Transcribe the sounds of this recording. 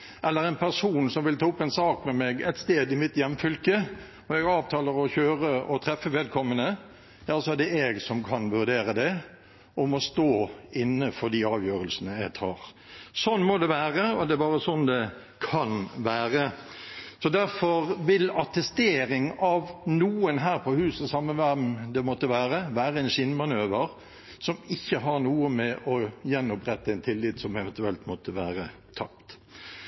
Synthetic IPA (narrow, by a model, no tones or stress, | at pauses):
ʔɛlːəɾɛnpʰæʁsuːnsɔmʋɪlt̪ʰɑːʊpːɛnsɑːkmɛmɛɡɛ̰t̪st̪eːd̪ɪmɪt̪jɛmːfʏlkə | ɔɛɡɑːʋt̪ʰɑːləɾɔçøːʁəɔt̪ʰɾɛfːəʋɛːd̪̚kʰɔmːənə | jɑːsɔæd̪ɛɛɡsɔmkʰɑnʋʉʁd̪eːɾəd̪ɛ | ʔɔmɔst̪oːɪnːəfɔd̪iɑːʋjøːɾəlsənəæɪt̪ʰɑːʁ | sɔnmɔd̪ɛʋæːʁəɔd̪ɛæbɑːʁəsɔnd̪ɛ | kʰɑnʋæːʁə | sɔd̪æɾfɔʁʋɪlɑt̪ɛst̪eːɾɪŋɑʋnuːənɦæːɾpʰɔhʉːsəsɑmːəʋæmd̪ɛmɔt̪ːəʋæːʁəʋæːɾəɛɪnʃɪnmɑnøːʋəɾ | sɔmɪçːəɦɑɾnuːəmɛʔɔjɛnːɔpɾɛt̪ːəæɛnt̪ʰɪlːɪt̪sɔmɛʋɛnt̪ʉɛlt̪mɔt̪ːəʋæːɾə | t̪ʰɑpt̪